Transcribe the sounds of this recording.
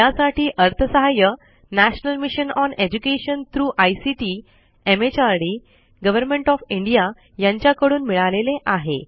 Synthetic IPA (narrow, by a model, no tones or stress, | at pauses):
jasaʈʰiːʔəɾt̪ʰəsəɦajə | næɕənəlmiɕənɔned͡ʑukeɕənt̪ʰɾuːʔajsiʈiː | emet͡ɕaɾɽiː | ɡəʋəɾmẽɳʈɔfiɳɖija | jãɲt͡ɕjakəɽuːnmiɭaleleʔaɦḛ